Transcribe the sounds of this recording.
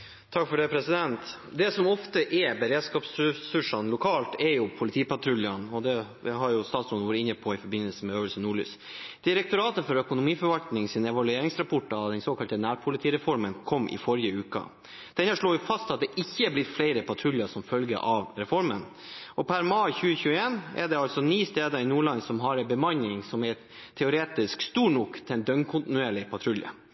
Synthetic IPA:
t̪ʰɑkːfɔɖɛpʰɾɛsɪd̪ɛnt̪ | d̪ɛsɔmɔft̪əʔɛbəɾeːd̪skɑːpsɾɛsʉʂɑnlʊkʰɑːlt̪ɛɾjʊpʰʊlɪt̪ʰiːpɑt̪ʰɾʉljɑnɔd̪ɛ | ɦɑɾjʊst̪ɑːt̪sɾɔnʋoːɾəɪnːəpʰɔɪfɔɾbɪnːəlsəmɛøːʋəlsənnuːɭy̰ːs | d̪̥ɪɾɛk̚t̪ʊɾɑːt̪əfɔɾœkʊnʊmiːfɔɾʋɑlkt̪nɪŋsɪnɛʋɑlʉeːɾɪŋsɾɑpʰɔʈːɑɑd̪ɛnsoːkʰɑlt̪ənæːɾpʰʊlɪt̪ʰiːɾɛfɔɾmənkʰɔmːʔɪ̰fɔɾjəʉːkə̰ | d̪̥ɛnɑʂɭoːjʊfɑst̪ɑt̪̚d̪ɛʔɪçːəæblɪt̪flæɪɾəpɑt̪ʰɾʉljəsɔmfœlɡə̰ʔɑʋɾɛfɔɾmən | ʔɔpʰæɾmɑɪçʉːəçʉːəeːnɛ̰ɖɛɑlsɔniːst̪eːd̪əɾɪnuːɭɑnsɔmɦɑɾɛbəmɑnːɪŋsɔmɛ | t̪ʰɛʊɾeːt̪ɪskst̪uːɳʊkt̪ʰɪɛnd̪œŋkʰʊnt̪ɪnʉeːɭɪpʰɑt̪ʰɾʉljə̰

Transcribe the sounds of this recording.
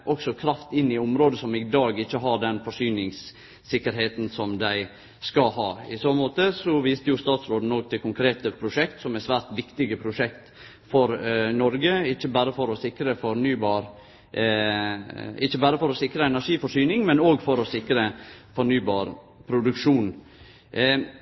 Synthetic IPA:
ʔɔksɔkʰɾɑft̪ɪnːɪʊmɾoːd̪əsɔmɪd̪ɑːɡɪçːəɦɑɖɛnfɔʂyːnɪŋsː | ɪkːəɾɦeːt̪n̩sɔmd̪æɪ | skɑlhɑːɪsomoːt̪əsɔʋiːst̪əjʊst̪ɑːt̪sɾoːd̪n̩oːɡ̚t̪ʰɪkʰʊŋkʰɾeːt̪əpʰɾʊʂɛk̚t̪sɔmɛsʋæːɾt̪ʋɪkt̪ɪɡəpʰɾʊʂɛkt̪ | fɔɾnɔɾɡəɪçːəbæːɾəfɔɾɔsɪkɾəfɔɾnyːbɑːɾ | ɪçːəbæːɾəfɔɾɔsɪkɾəɛnæʂiːfɔʂyːnɪŋmɛnoːɡfɔɾɔsɪkɾəfɔɾnyːbɑːɾ | pʰɾʊd̪ʉkʂuːn

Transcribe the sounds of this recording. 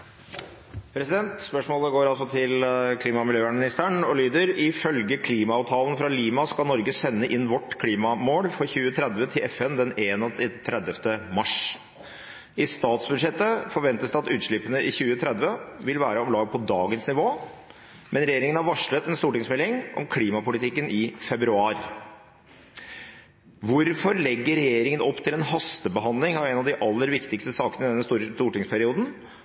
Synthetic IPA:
pʰɾɛsɪd̪ɛnt̪spœʂmoːləɡoːɾɑlsɔt̪ʰɪlkʰliːmɑmɪljøːæɳmɪnɪst̪æɳɔlyːd̪əɾɪfœlɡəkʰliːmɑɑʋt̪ʰɑːlənfɾɑliːmɑskɑlnɔɾɡəsɛnːəʔɪnːʋɔʈːkʰliːmɑmoːɽfɾɔçʉːət̪ʰɾɛd̪ʋət̪ʰɪlʔɛfɛnd̪ɛneːnɔt̪ʰɪt̪ʰɾɛd̪əft̪əmɑʂ | ɪst̪ɑːt̪sbʉd̪ʂɛt̪ːəfɔɾʋɛnt̪əsd̪ɛɑt̪ʉːt̪ʂɭɪpənəʔɪçʉːət̪ʰɾɛd̪ʋəʋɪlʋæːɾəɔmlɑːɡpʰɔd̪ɑːɡənsnɪʋoː | mɛnɾɛjeːɾɪŋənhɑɾʋɑʂɭət̪ɛnst̪uːʈɪŋsmɛlɪŋʔɔ̰mkʰliːmɑpʊlɪt̪ʰɪkːənʔɪfɛbɾʉɑːɾ | ʋʊɾfɔɾlɛɡːəɾɛjeːɾɪŋənʔɔpːt̪ʰɪlɛnɦɑst̪əbəɦɑnd̪lɪŋɑʋɛɪnɑʋd̪ɪʔɑlːəɾʋɪkt̪ɪkst̪əsɑːkənəɪd̪ɛnːəst̪ːɾst̪uːʈɪŋspʰæɾɪuːd̪n̩

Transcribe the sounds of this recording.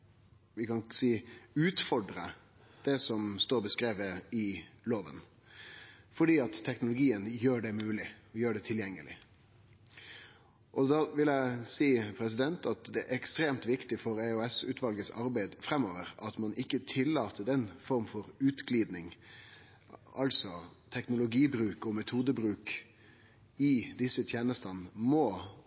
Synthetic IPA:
ʋɪkɑnsiːʉːt̪fɔɖɾə | d̪̥ɛsɔmst̪oːɾbəskɾeːʋəɪloːʋə̰n | fɔɖiːɑt̪ʰːɛknʊlʊɡiːənjøːɖɛmʉːlɪjøːɖɛt̪ʰɪljɛŋːəlʔɪ̰ | ʔɔd̪ɑʋɪlæɪsiːpʰɾɛsɪd̪ɛnt̪ɑt̪d̪ɛæɾʔɛkst̪ɾeːmt̪ʋɪkt̪ɪfɔɾæʉɛsʉ̰ːt̪ʰʋɑlɡəsɑ̰ɾbæɪd̪fɾɛmoːʋəɾʔɑt̪mɑnʔɪkːət̪ʰɪlːɑːt̪ʰəd̪ɛnfɔɾmfɔɾʉːt̪ɡliːd̪nɪŋ | ɑlsɔt̪ʰɛknʊlʊɡiːbɾʉːkɔmɛt̪ʰuːd̪əbɾʉːk | ɪd̪ɪsːət̪ʰjeːnəst̪ənmɔ

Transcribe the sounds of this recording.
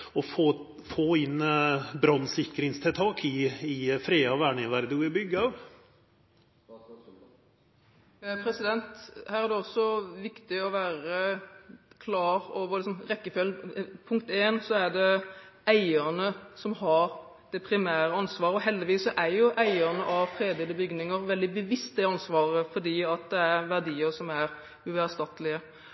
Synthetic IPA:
ɔfoː | foːɪnbɾɑnːsɪkːɾɪŋst̪ʰɪlt̪ʰɑːkʰɪɪfɾeːɑɔʋæːɳɪʋæɾd̪əʋɪbʏɡːəɑːʋ | pʰɾɛsɪd̪ɛnt̪hæːɾæd̪ɛɔsɔʋɪkt̪ɪɔʋæːɾə | kʰlɑːɾoːʋəɾlɪksɔmɾɛkːəfølnpʰʊŋkt̪eːnsɔæɖ̪ɛæɪəɾnəsɔmhɑɾ | d̪̥ɛpʰɾɪmæːɾəɑnsʋɑːɾəɔɦɛld̪ɪʋiːsɔʔæɾjʊʔæɪəʁnəʔɑʋfɾeːd̪ɪləbʏɡnɪŋəɾʋɛld̪ɪbəʋɪst̪ɛɑnsʋɑːʁəfɔɖ̪iːɑt̪̚d̪ɛæɾʋæʁd̪iːəɾsɔmæɾ | ʉʋæst̪ɑt̪lɪə

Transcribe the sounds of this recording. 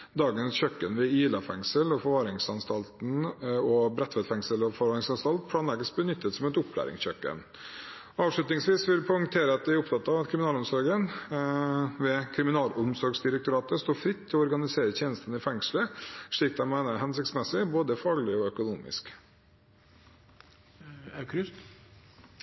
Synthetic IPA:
d̪ɑːɡənsçœkːənʋɛiːlɑfɛŋsəlɔfɔɾʋɑːɾɪŋsɑnst̪ɑlt̪n̩ɔbɾɛt̪ʋɛt̪fɛŋsəlɔfɔɾʋɑːɾɪŋsɑnst̪ɑlt̪̚pʰɽɑːnlɛɡəsbənʏt̪ʰːət̪sɔmɛt̪ʊpʰːlæ̰ːɾɪ̰ŋsçœkːə̰n | ɑːʋʂɭʉt̪nɪŋsʋiːsʋɪlpʰɔʏŋt̪ʰeːɾəɑt̪̚d̪ɛæɾʊpt̪ʰɑt̪ːɑːʋɑt̪kʰɾɪmnɑːlʊmsɔɾɡən | ʋɛkʰɾɪmɪnɑːlʊmsɔɾɡsd̪ɪɾək̚t̪ʊɾɑːt̪əst̪oːfɾɪt̪ʰːɪlɔɔɾɡɑnɪseːɾət̪ʰeːnəst̪ənɪfɛŋʂləʂɭiːk̚d̪ɛmæɪnəɦɛnsɪk̚t̪smɛsɪboːd̪əfɑːɡɭɪɔœkʊnṵːmɪ̰sk | kʰɾʏt̪

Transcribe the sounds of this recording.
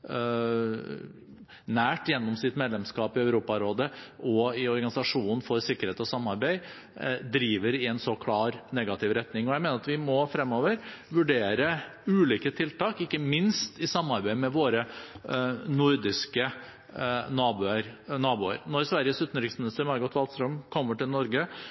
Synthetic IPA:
næːʈjɛnːɔmsɪt̪meːd̪lɛmskɑːpɪœʉɾuːpɑɾoːd̪əʔɔɪɔɾɡɑnɪsɑʂuːnn̩fɔɾsɪkːəɾeːt̪ɔsɑmːɑɾbæɪ | d̪ɾiːʋəɾɪɛnsɔkʰlɑːɾnɛɡɑt̪ʰɪʋɾɛt̪nɪŋɔjæɪmeːnəɾɑt̪ʋɪmɔfɾɛmːoːʋəɾʋʉɖeːɾəʉːliːkət̪ʰɪlt̪ɑːkɪkːəmɪnst̪ɪsɑmːɑɾbæɪmɛʋoːɾə | nʊɾd̪ɪskə | nɑːbʉəɾnɑːbuːə̰ɾnɔɾsʋæɾɪəsʉːt̪n̩ɾɪksmɪnɪst̪əɾmɑɾɡɔt̪ʋɑlt̪st̪ɾœmkʰɔmːəʈɪlnɔɾɡə

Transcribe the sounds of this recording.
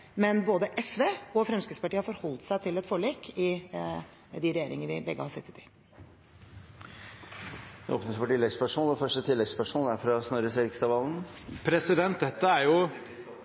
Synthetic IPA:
mɛnboːd̪əʔɛsʋeːɔfɾɛmskɾʉspɑʈiːəhɑfɔɾhɔlt̪sæɪt̪ʰɪlɛt̪fɔɭiːkɪ | d̪ɪɾɛjeːɾɪŋəəʋɪbɛɡːəhɑsɛt̪ʰːə̥t̪ʰɪ | d̪ɛ̰ʔo̰ːpnəsfɔʈɪlːɛɡspæʂuːnɛfœʂʈət̪ʰɪlːɛɡspæʂuːnæɾfɾɑsnɔɾəsɛkst̪ɑʋɑln̩pʰɾɛsɪd̪ɛnt̪̚d̪ɛt̪ːəæɾjʊ

